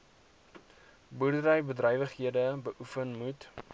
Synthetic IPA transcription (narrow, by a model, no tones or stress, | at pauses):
burdərəjbədrœjvəχɦiədəbəʔufənmut